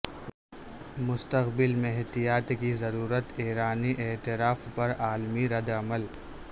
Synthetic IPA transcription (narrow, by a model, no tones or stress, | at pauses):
mʊst̪əqbɪlmẽɦt̪ijaːt̪kizɐɾuːɾət̪eːɾaːniʔeːt̪ɪɾaːfpɐɾaːlmiɾɐd̪ɐməl